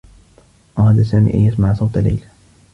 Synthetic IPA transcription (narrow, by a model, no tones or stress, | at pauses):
ʔɑɾˤɑd̪asaːmḭːʔa̰jːasmaʕasˤɑwt̪ala̰jla